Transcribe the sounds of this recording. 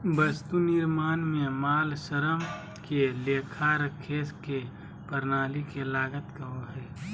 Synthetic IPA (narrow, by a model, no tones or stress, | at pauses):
bəst̪unɪɾmaːnmẽmaːlsəɾəm | keleːkʰaɾəkʰeːske | pəɾnaːlikelaːɡət̪kɐɦoɦɛː